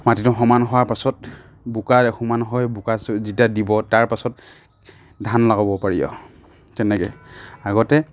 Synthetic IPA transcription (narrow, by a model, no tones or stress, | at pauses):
matitʊxɔmanɦɔwaɹpasɔt̚ | bukaɛxumanɦɔjbukaszitadibɔtaɹpasɔt̚ | dʱanlaɡɔbɔpaɹijɔ̰ | tɛnɛkɛaɡɔtɛ